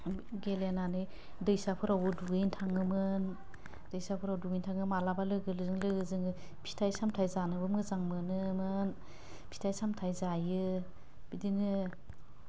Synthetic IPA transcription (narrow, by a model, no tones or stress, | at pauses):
ɡelenanɯ | dɯjsapʰɯɾawɯduɡɯjntʰaŋɯmɯn | d̥ɯjsapʰɯɾawduɡɯjntʰaŋɯmalabalɯɡɯlɯzɯŋlɯɡɯzɯŋɯ | pʰi̥tʰajsamtʰajzanɯbɯmɯzaŋmɯnɯmɯn | pʰi̥tʰajsamtʰajzajɯ | b̥idinɯ